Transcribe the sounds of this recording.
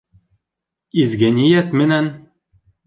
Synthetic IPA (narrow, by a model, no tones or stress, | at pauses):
izɡænʲijæt̪mɘ̆næn